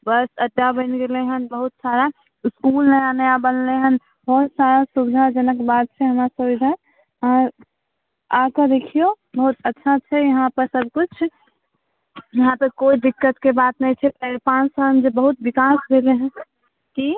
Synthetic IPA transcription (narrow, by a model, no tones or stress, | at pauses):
bəɾsəɖːabəɪnɡeleɦənbəɦut̪saɾa | ɪskulnəjanəjabənleɦən | bɔɾsaɾasubd̪ʱad͡ʒənəkbat̪̚t͡ʃʰɛɦəmɾasubid̪ʱa | ã | akəd̪ekʰijobəɦut̪ətːʃʰat͡ʃʰɛjəɦãpəɾsəb̚ʱkut͡ʃʰ | jəɦãpəɾkoid̪ikːət̪kebat̪nɛt͡ʃʰɛpəpãnsamd͡ʒebəɦut̪̚bikasɡeleɦən | ki